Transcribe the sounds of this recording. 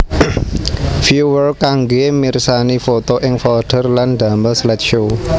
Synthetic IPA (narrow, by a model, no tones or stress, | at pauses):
fjuwərkaŋɡemirsanifot̪oʔɪŋfɔɖ̪̥ə̤rlanɖ̪̥a̤məslɛt̪̚ʃo